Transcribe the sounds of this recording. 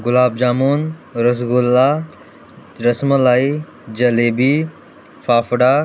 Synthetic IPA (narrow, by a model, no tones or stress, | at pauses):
ɡʊlaːb̚d͡ʒaːmuːnɾɐs̬ɡʊlːa | ɾɐsmɐlaːi | d͡ʒɐleːbiː | faːfɽaː